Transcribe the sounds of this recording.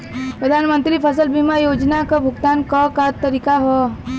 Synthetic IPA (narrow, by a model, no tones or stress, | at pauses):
pɾəd̪ʱanmənt̪ɾipʰəsəlbimajod͡ʒnakəbʱuɡt̪ankəkat̪ːəɾikaɦɔ